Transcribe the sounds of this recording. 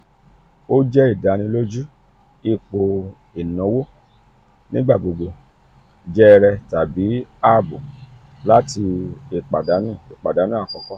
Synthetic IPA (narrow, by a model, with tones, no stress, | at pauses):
o˦d͡ʒɛ˦i˦˨da˨˦nĩ˧lo˦d͡ʒu˦ | i˧k͡po˧ | i˨nɔ̃˨˦wo˦ | nĩ˦ɡ͡ba˦˨ɡ͡bo˨ɡ͡bo˧ | d͡ʒɛ˦˧ɾɛ˧ta˨bi˨˦a˦˨bu˨ | la˦ti˧e˨k͡pa˨da˨˦nũ˦˨e˨k͡pa˨da˨˦nã˦˨kɔ˧˦kɔ˦